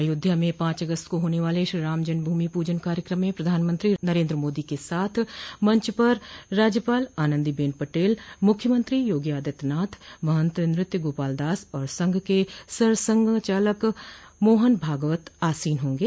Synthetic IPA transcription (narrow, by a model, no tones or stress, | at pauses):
jʊd̪ʱːjamẽpãːt͡ʃɐɡəst̪koɦoːneʋaːleʃɾiɾaːmd͡ʒənbʱuːmipuːd͡ʒənkaːɾjəkɾəmːẽpɾɐd̪ʱaːnmə̃nt̪ɾinɐɾẽːnd̪ɾəmoːd̪ikesaːt̪ʰmɐ̃ɲt͡ʃpɐɾːaːd͡ʒjəpaːlaːnə̃nd̪ibeːnpɐʈeːlmʊkʰjəmə̃nt̪ɾijoːɡjaːd̪ət̪naːt̪ʰmɐɦə̃nt̪ɾɪ̃nɾɪt̪jəɡoːpaːld̪aːsɔːɾsɐ̃ŋɡʱkesɐɾsə̃ŋɡʱt͡ʃaːləkmoːɦənbʱaːɡʋət̪aːsiːnɦõːŋɡeː